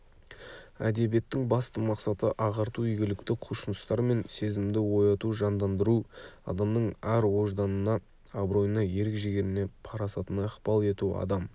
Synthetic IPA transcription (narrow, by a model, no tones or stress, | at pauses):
æ̰d̪e̞bije̞t̪ːɪŋbɑst̪əmɑqsɑt̪əʔɑʁɑɾt̪uʏjɡʲɪlɪkt̪ɪqʰuʃənəst̪ɑɾme̞nse̞zɪmd̪ɪwo̞jɑt̪uʒɑnd̪ɑnd̪əɾuɑ̰d̪ɑmnəɴæɾwo̞ʒd̪ɑnənɑː | bɾo̞jənɑje̞ɾɪkʒeɡʲe̞ɾɪne̞pʰɑɾɑsɑt̪ənɑqpɑlˠe̞t̪uɑ̰d̪ɑm